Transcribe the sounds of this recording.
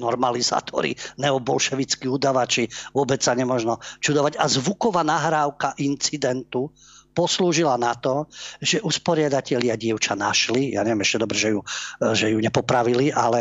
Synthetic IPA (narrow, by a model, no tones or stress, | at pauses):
nɔɾmaliza̰ːt̪ʰɔ̰ɾḭnɛɔbɔlʃɛʋit͡skiud̪aʋat͡ʃiʋʊɔbɛt͡ssaɲɛmɔʒnɔt͡ʃud̪ɔʋaɟazʋukɔʋaːnaɦɾaːʊkaʔint͡sid̪ɛnt̪u | pɔsluːʒilanat̪ɔʒɛʔuspɔɾɪad̪acɛʎɪaɟɪɛʊt͡ʃanaʃlija̰ɲɛʋjɛmɛʃcɛd̪ɔbɾɛʒɛjuʒɛjuɲɛpɔpɾaʋiliʔalɛ